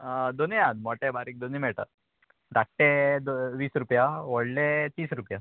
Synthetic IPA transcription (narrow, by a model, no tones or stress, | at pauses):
d̪onijãd̪mɔʈebaɾik̚d̪onimɛɭʈa̰ | ɾakʈːed̪oʋiːsɾupjaʋɔɽlet̪iːsɾupja